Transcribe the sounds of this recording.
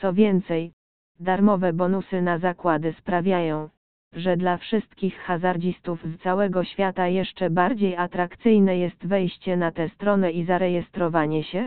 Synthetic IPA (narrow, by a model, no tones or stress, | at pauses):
sɔvʲjɛnt̪sɛj | d̪aɾmɔvɛbɔnusɘnazakwad̪ɘspɾavʲjajɔ̃w̃ | ʐɛd̪lafʂɘst̪kʲixxazaɾd͡ʑist̪ufst̪sawɛɡɔɕfʲjat̪ajɛʂt͡ʂɛbaɾd͡ʑejat̪ɾakt̪sɘjnɛjɛst̪vɛjɕt͡ɕɛnat̪ɛst̪ɾɔnɛizaɾɛjɛst̪ɾɔvaɲɛɕɛ